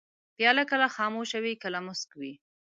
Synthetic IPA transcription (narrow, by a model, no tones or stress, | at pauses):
pjɑlakəlaxɑmoʃawikəlamʊskwi